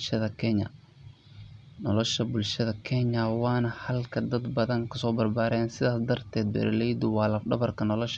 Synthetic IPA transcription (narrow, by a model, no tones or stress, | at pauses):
ʃɐðɐkʰɛɲɐ̰ | nɔlɔʃɐbʊlʃɐðɐkʰɛɲɐwɑːnɐhɐlkʰɐd̪ɐd̪bɐðɐŋkʰɐsɔːbɐrbaːɾɛːnsɪðaːsd̪ɐrt̪ʰɛːd̪̚bɛ̰ɾɐlɛjd̪ʊwɑːlɐfɖɐβɐrkʰɐnɔlɔʃ